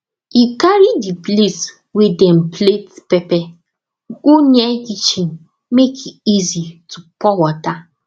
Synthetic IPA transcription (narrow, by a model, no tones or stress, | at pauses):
ikaɾidiples | wedɛm̩pletpɛpɛ | kuɲekit͡ʃiŋ̩ | mekʰiizitupɔwɔta